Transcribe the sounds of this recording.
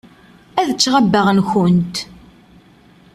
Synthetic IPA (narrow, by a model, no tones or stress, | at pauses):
æðət͡sːʁabːəʁnçʊnt̪